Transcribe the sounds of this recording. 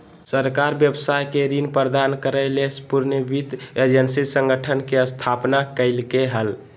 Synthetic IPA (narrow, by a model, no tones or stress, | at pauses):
səɾkaɾbjəbsajkeɾinpɾəd̪ankəɾəɪlespuɾnəbit̪ed͡ʒənsisə̃ŋɡʱəʈʰənkeəst̪ʰapnakəɪlkeɦəl